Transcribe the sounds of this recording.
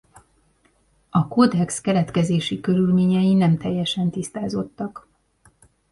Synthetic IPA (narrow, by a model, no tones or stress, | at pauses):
ɒkod̪ɛkskɛɾɛt̪kɛzeːʃikø̞ɾylmeːɲɛjinɛmt̪ɛjːɛʃɛnt̪ist̪aːzo̞t̪ːɒk